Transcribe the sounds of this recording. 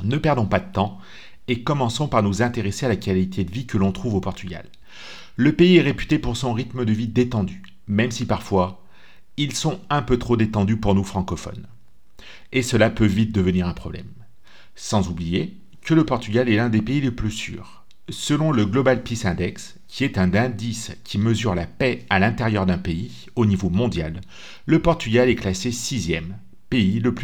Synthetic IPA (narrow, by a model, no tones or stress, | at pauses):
nəpɛʁd̪ɔ̃pad̪ət̪ɑ̃ | ekɔmɑ̃sɔ̃paʁnuzɛ̃t̪eʁesealakalit̪ʰed̪əvikəlɔ̃t̪χuvopɔʁt̪yɡʲa̰l | ləpeiɛʁepy̥t̪epuʁsɔ̃ʁit̪məd̪əvid̪et̪ɑ̃d̪y | mɛmsipaʁfwa | ilsɔ̃ɛ̃pøt̪χod̪et̪ɑ̃d̪ypuʁnufχɑ̃kɔfɔ̰n | esəlapøvit̪̚d̪əvəniʁɛ̃pχɔblɛ̰m | sɑ̃zublije | kələpɔʁt̪yɡʲalɛlɛ̃d̪epeiləplysy̰ːʁ | səlɔ̃ləɡlɔbalpisɛ̃d̪ɛks | kʲiɛt̪ɛ̃d̪ɛ̃d̪iskʲʰiməzyʁlapɛalɛ̃t̪eʁjœʁd̪ɛ̃pei | onivomɔ̃d̪jalː | əpɔʁt̪yɡalɛklasesizjɛm | peiləply